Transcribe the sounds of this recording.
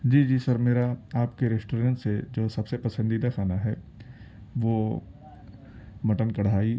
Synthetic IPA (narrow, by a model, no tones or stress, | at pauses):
d͡ʒiːd͡ʒiːsɐɾmeːɾaaːpkeɾesʈoːɾẽːɳʈsed͡ʒoːsɐbsepɐsə̃nd̪id̪axaːnaɦɛ̰ː | ʋoː | mɐʈənkɐɽ̤aːi